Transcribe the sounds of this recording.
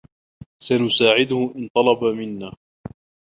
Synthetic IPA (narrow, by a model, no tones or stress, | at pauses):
sanʊsaːʕɪd̪ʊhʊʔɪnt̪ˤɑlɑbamɪnːaː